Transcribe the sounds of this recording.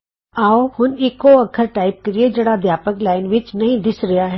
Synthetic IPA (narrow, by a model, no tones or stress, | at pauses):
aːohʊnɪkːoɐkʰəɾʈaːɪp̚kɐɾied͡ʒɐɽad̪jaːpəklaːɪnʋɪt͡ʃnɐɦĩd̪ɪsɾɐjaɦɛ